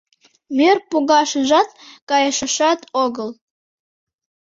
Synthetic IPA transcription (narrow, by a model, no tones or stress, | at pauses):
mʲerpuɣɑʃəʒɑt̪̚kɑjəʃə̆ʃɑt̪oɣəl